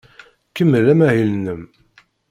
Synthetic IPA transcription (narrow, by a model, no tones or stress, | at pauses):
kəmːəlæmæhilnəm